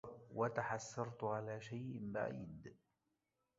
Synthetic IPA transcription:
wʔat̪aħasːɑɾˤt̪ʕalaːʃajʔɪmba̰ʕḭːd̪

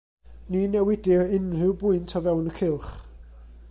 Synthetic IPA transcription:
ninɛwɪdɪrɪnrɪwbʊɨntʰavɛwnəkʰɪlˠχ

